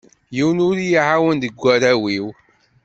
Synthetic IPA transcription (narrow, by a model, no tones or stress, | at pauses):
jiwənʊɾjiʕawənd̪əɡʷːæɾæwiw